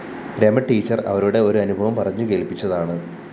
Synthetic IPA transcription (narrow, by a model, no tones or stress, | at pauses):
ɾemɐʈːiːt͡ɕːɐrɐ̰ʋɐɾuɽe̞o̞ɾuɐnubʱɐʋɐmpɐrɐɲːuke̞ːlpit͡ɕːɐðaːɳɨ